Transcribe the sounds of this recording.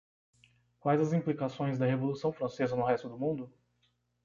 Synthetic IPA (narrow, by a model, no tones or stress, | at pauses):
kwajzɐzĩplikasõj̃zd̪ɐɦevolusɐ̃w̃fɾɐ̃sezɐnʊɦɛst̪ʊd̪ʊmũd̪ʊ